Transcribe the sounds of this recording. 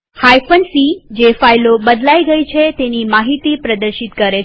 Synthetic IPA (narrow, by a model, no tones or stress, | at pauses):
hajfənsid͡ʒefajlobəd̪laiɡəit͡ʃʰet̪enimaɦit̪ipɾəd̪əɾʃit̪kəɾe